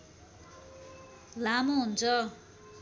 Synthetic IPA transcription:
lamoɦunt͡sʰʌ

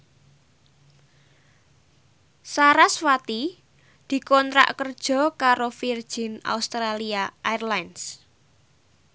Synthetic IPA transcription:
saɾaswat̪i | d̪̥i̤kɔnt̪ɾa̰ʔkərd̥ʒ̥ɔ̤kaɾofird̥ʒ̥ɪ̤na̰ust̪ɾaliaʔairlajns

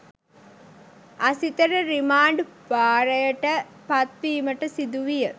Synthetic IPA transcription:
ɐsit̪əɾəɾimaːɳɖbaːɾɐjəʈəpɐt̪̚piːməʈəsid̪uʋijə

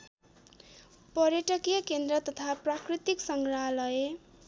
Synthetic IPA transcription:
pʌɾjʌʈʌkjʌkend̪rʌt̪ʌt̪ʰaprakrit̪iksʌŋɡɾaɦlʌje

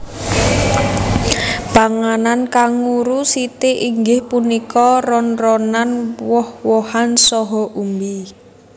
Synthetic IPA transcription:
paŋanankaŋuɾusit̪eʔiŋɡɪhpunikɔrɔnrɔnanwɔhwɔhansɔɦɔʔumbi

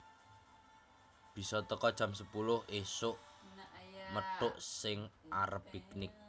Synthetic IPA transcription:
b̥i̤sɔt̪əkɔd̥ʒ̥ä̤msəpulʊhʔesʊʔ | məɖ̥ʊʔsɪŋʔaɾəpiknɪk̚

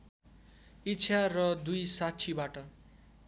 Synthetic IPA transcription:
itːt͡sʰarʌd̪ujsatt͡sʰibaʈʌ

